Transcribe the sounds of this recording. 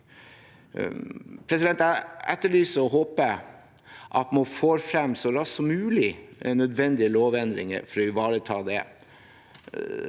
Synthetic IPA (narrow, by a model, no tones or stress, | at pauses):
pʰɾɛs̬ɪd̪ɛnt̪æɛ̰t̪ːəɭyːsɔɔɦoːpə | ʔɑ̰t̪mofoːɾfɾɛmsɔɾɑsːɔmʉːlɪɛ̰nːœd̪ʋɛnd̪ɪəloːʋɛnd̪ɾɪ̰ŋə̰fɔɾɔʏʋɑːɾət̪ʰɑːd̪ɛ̰